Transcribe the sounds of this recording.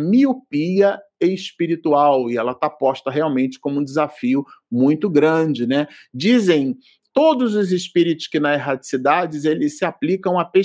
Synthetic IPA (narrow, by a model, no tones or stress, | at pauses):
miupiɐeɪspiɾit̪uawɪɛlɐt̪apɔʃt̪ɐɦeawmẽnt͡ʃɪ̥kõmʊũd͡ʒɪzafiʊmũj̃t̪ʊɡɾɐ̃d͡ʒɪnɛd͡ʒizẽj̃ | t̪od̪ʊzʊzɪspiɾit̪ʊ̥skɪnɐeɦat͡ʃi̥sid̪ad͡ʒɪzelɪsɪaplikɐ̃w̃ɐpe